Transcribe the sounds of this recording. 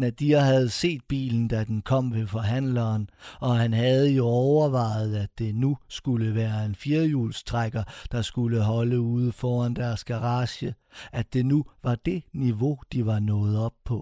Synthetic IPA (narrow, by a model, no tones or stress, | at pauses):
næd̥iɐɦæð̞̩ˠse̝̰ːd̥̚b̥ḭːln̩d̥æd̥enkʰɒ̽m̰ʋe̝fɒ̽ɦæn̰lɐːnɒ̽ɦænɦæð̞̩ˠjo̝ɒʊɐʋɑ̈ɪð̩ˠæd̥e̝nusɡ̥uləʋæːɐe̝nfiɐjuːlsd̥ʁaɡ̥ɐd̥ɑ̈sɡ̥uləɦɒ̽ləuð̞ˠfɒːænd̥æɐsɡ̥æʁɑ̈ːɕə | æ̥e̝nuʋɑ̈d̥e̝niʋo̝d̥iʋɑ̈nɔ̽ːð̞̩ˠɒ̽b̥̚pʰɒ̽